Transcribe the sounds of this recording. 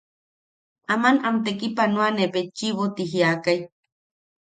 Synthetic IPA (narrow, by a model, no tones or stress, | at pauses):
ʔamanamt̪ekipanuanepet͡ʃːiβot̪iɦiakaj